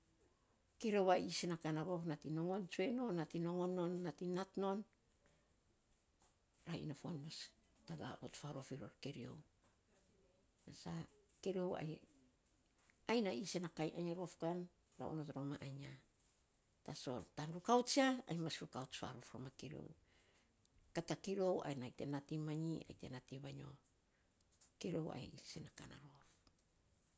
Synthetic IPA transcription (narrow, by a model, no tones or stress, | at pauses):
keɾiowaisenakanaɾo̞fnatino̞ŋo̞nt͡ʃue̞no̞nːatino̞ŋo̞no̞nːatinatno̞n | ɾaḭnafoanmas | taɡa̰o̰tfaɾo̞fiɾo̰ɾke̞ɾio̞̰w | nasa | keɾio̞wa̰j | ajnaisenakajʔaɲaɾofkan | ɾa̰ʔunotɾomaʔaɲa | taso̞tanɾukawt͡ʃiaajmasɾukawt͡ʃfa̰ɾofɾo̰makiɾo̞̰w | katakiɾo̞wa̰jnajte̞natimaɲia̰jte̞̰natiβaɲo̞̰ | kiɾo̞wa̰jisenaka̰na̰ɾof